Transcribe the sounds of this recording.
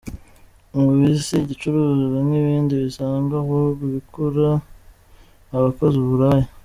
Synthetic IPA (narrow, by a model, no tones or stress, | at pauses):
ŋɡoβisiɟit͡ʃuɾuːziβimŋiβiːndiβisaːŋɡahoβiβikuɾa | βako̞ziβuɾaːji